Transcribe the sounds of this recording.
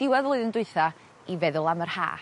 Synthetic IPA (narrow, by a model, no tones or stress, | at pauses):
d̥ɪwaðlˠʊɨðəndʊɨθa | ivɛðʊlˠamərha̰ː